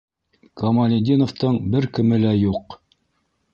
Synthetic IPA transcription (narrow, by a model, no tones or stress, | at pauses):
kɐmɐlʲɪd̪ʲinoft̪ɤɴbɘɾkɘ̆mɘ̆læjuq